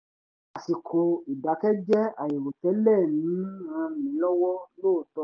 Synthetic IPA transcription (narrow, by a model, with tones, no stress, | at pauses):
a˨si˨kʰo˧i˨da˨˦kɛ˦d͡ʒɛ˦a˨je˨wo˨tɛ˨˦lɛ˦˨nĩ˨˦ã˧mĩ˨˦lɔ˦wɔ˦loː˦˨tɔ˧